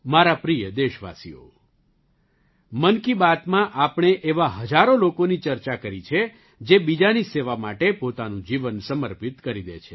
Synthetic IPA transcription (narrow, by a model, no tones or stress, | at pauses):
maɾapɾijəd̪eʃʋa̰sḭo̰ | mənkibat̪mãʔapɽ̃eʔeʋaɦəd͡ʒaɾolokonit͡ʃəɾt͡ʃakəɾit͡ʃʰe | d͡ʒebid͡ʒaniseʋamaʈepot̪anũd͡ʒiʋənsəməɾpit̪kəɾid̪ḛt͡ʃʰe